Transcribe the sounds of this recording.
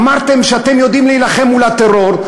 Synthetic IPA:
maʁt̪e̞mʃeat̪e̞mjo̞d̪imlejlaχe̞mːulat̪eʁo̞ʁ

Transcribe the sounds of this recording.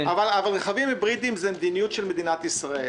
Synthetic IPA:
avalavalʁeχavimebʁid̪imzemed̪inijut̪ʃelme̞d̪inat̪isʁae

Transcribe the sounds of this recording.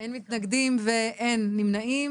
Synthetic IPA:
enmit̪naɡd̪imveʔenːimnaim

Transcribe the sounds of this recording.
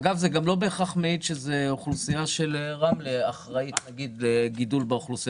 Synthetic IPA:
ɡavzeɡamlo̞be̞ːχaχmeid̪ʃezeoχlusijaʃelʁamleaχʁait̪naɡid̪leɡidulbaoχlusi

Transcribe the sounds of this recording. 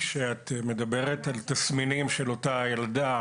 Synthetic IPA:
ʃeat̪me̞d̪abe̞ʁetalt̪asminimʃelo̞tajalda

